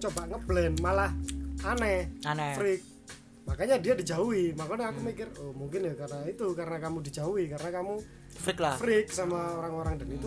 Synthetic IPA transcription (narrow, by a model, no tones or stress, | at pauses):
t͡ʃobaʔŋəblɛnmalahanɛfɾɪk̚ | makaɲadiadi̤d͡ʒauwimakonɛakumikɪrohmuŋkɪnjakarnait̪ukarnakamudid͡ʒauikarnakamu | fkfɾɪk̚samaoɾaŋoɾaŋdənit̪u